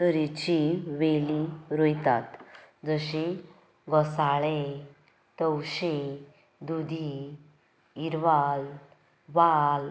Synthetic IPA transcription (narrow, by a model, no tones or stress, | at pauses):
t̪əɾit͡ɕiʋeliɾojt̪at̪d͡zəɕi | ɡɔsaɭe | t̪əwɕe | d̪ud̪ʱi | ɾʋal | ʋal